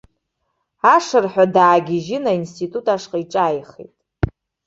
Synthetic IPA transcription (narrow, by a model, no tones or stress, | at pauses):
aʂɨrħᶣadaːɡʲɪʒɪnainstʰitʼutʼaʂqʼiʈ͡ʂʼaːjχḛjtʼ